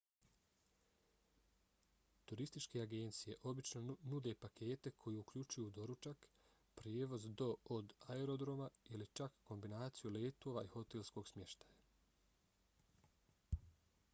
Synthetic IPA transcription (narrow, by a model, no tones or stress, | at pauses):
t̪uɾist̪it͡ʃke̞aɡe̞nt̪sije̞ʔo̞bit͡ʃno̞nud̪e̞pakʰe̞ːt̪e̞kʰo̞jeukʎut͡ʃujuːd̪o̞ɾut͡ʃak | pɾjeːʋo̞zd̪o̞od̪aeɾo̞d̪ɾo̞mailit͡ʃakːo̞mbinaːt̪sijuleːt̪o̞ːʋaiho̞t̪elʲsko̞ɡsmjeʃt̪aja